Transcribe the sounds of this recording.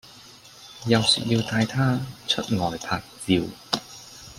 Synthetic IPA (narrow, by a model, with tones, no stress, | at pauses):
jɐ˨wsy̰ː˨˩t̚jiː˧wt̪aː˧jt̪ʰaː˥t͡ʃʰɵ˥t̚ŋɔː˨˩jpʰaː˧k̚t͡si˧w